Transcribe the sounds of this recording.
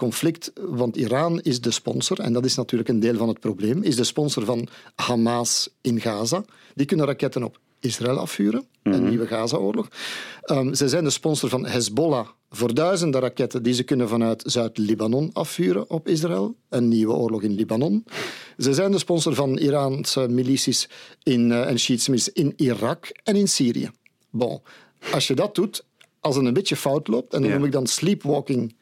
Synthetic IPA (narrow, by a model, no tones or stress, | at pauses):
kɔnflɪktʋɑntiɾaːnɪzdəspɔ̰nsərɛ̰ndɑtɪsnɑtyːrləkəndeːlˠvɑnɦət̚probleːmɪzdəspɔnsərvɑnhamasɪnɣaːza | dikʏnənrakɛtənɔ̰p | ɪsraɛːlˠɑ̰fyːɾən | ənːiːwəɣaːzaoːrlɔx | zɛzɛjndəspɔnsərvɑnɦɛzbola | voːrdœːɥzəndəɾakɛtəndizəkʏnənvɑnœɥtzœːɥtlibanɔnɑfːyːɾə̰ʔɔpɪs̬raɛlˠənːiːwə̰oːrlɔɣɪnlibanɔnzɛzɛjndəspɔnsərvɑniɾaːnsəmilisisɪnɛnʃiːtsəmɪlisɪnirɑkɛnɪnsiːɾḭə̰ | bõ̰ | ɑsjədɑt̚dut | ʔɑlˠsətənbɪtjəfɑwtloːp̚tɛndɑnnumɪɡ̚dɑnsliːpwɔːkɪŋ